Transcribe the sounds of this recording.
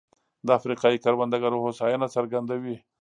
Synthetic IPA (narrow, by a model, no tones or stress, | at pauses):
d̪əafɾiqɑikaɾband̪aɡaɾohosajinasaɾɡand̪awi